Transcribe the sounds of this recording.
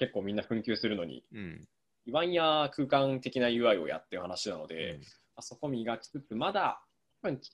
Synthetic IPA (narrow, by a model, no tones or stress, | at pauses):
ke̞kːo̞ːmʲĩnːaɸɯ̟̃ŋkʲɨ̟ːsɨɾɯ̟no̞̰ɲ̟ḭ | iβãĩakɯ̟ːkãnt̪e̞kʲinajɯ̟ːβaio̞̰ja̰t̪ːeɯ̟hanaɕinano̞̰d̪e̞̰ | aso̞ko̞mʲiɡakʲi̥t͡sɨt͡sɨmad̪a | t̪bɯ̟̃ɲ̟